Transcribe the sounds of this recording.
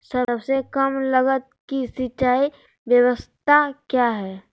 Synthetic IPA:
səɾəfsekɐmləɡət̪̚kisit͡ʃaːi | ʋjəʋəst̪ʰakjaːɦɛː

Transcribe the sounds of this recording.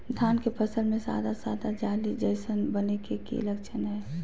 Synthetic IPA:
st̪ʰaːnkepʰəsəlmẽsa̰ːd̪asaːd̪ad͡ʒaːlid͡ʒəɪsənbənekekḭləkt͡ʃʰənɦɛː

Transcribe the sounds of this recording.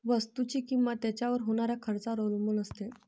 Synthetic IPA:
ʋəst̪ut͡ɕiːkimʋat̪jat͡ɕjaʋəɾɦoɽ̃aɾjakʰəɾt͡saɾolmunəst̪e

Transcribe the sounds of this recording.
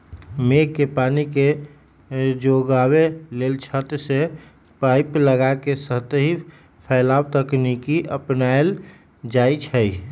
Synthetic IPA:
mekːepanike | d͡ʒoɡawelelt͡ʃʰət̪se | paɪpləɡakesəɦt̪ɦi | pʰɛlaːwt̪əknikiʔəpnael | d͡ʒait͡ʃʰəi

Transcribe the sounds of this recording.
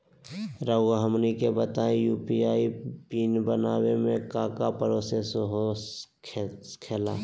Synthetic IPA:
ɾəwɡaɦəmnikebət̪aːẽjuːpiaːipiːnbənaːwemẽkaːkapəɾoːsesoɦo | kʰeːlaː

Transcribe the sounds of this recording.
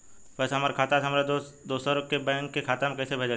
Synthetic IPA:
pɛːsaɦɐmaːɾekʰaːt̪asɦɐmaːɾed̪oːsəɾkːebɛ̃ːŋkːekʰaːt̪amkɛːsebʱed͡ʒa

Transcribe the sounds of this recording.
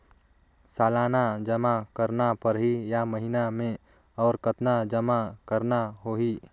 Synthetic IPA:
saːlaːnad͡ʒəmakəɾnapəɾɦijaməɦinamẽ | ɔːɾkət̪nad͡ʒəmakəɾnaɦoːɦi

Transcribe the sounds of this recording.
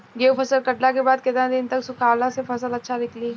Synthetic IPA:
ɡeːupʰɐsəlkɐʈlakebaːd̪̚kɪt̪nad̪ɪnt̪ɐksʊkʰaːlãsepɐs̬əlɐtːʃʰalɪkʰlieː

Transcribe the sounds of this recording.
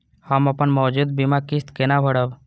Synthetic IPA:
həmɐpənmɔːd͡ʒud̪̚bimakist̪kenabʱəɽəb

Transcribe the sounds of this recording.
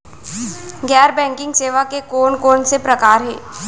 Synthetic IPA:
ɡɛːɾbɛ̃ːŋkɪ̃ŋɡseːʋakekoːnkoːnsepɾɐkaːɾɦɛ̰ː

